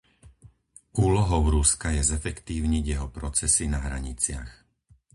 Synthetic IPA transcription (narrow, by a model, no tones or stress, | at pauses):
uːlɔɦɔʊɾuskajɛzɛfɛkt̪iːʊɲiɟjɛɦɔpɾɔt͡sɛsinaɦɾa̰ɲit͡sɪa̰x